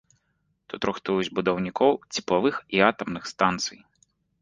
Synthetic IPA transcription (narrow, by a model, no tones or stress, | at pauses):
t̪ut̪ɾʊxt̪ujʊzʲbud̪ɐwnʲikɔwt͡sʲi̥plˠɐʋɨxiat̪ɐmnɨxst̪ant̪sɨj